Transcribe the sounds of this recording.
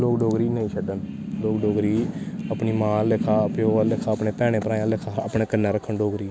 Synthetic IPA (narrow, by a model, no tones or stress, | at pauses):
loːkɖoːɡɾiːnəĩːt͡ʃʰəɖən | loːkɖoːɡɾiːəpɳiːmãːlɪkʰaːpeoːalɪkʰaːəpɳeːpɛːɽ̃eːpəɾaːjãːlɪkʰaːə̰pɳeːkənːeːɾəkʰːəɳɖoːɡɾiː